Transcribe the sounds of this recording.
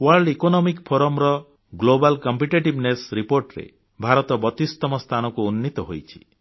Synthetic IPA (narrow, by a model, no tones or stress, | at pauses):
waɾɖekonɔmikpʰoɾɔmɾɔ | ɡlobalkɔmpiʈeʈibnesɾipoɾʈɾḛ | bʱaɾɔt̪ɔbɔt̪ist̪ɔmɔst̪ʰanɔkuunːit̪ɔɦojt͡ʃʰi̥